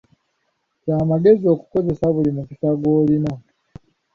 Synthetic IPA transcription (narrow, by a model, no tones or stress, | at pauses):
caːmaɡe̞zio̞ːku̥ko̞ze̞saβulimukisaɡo̞ːlina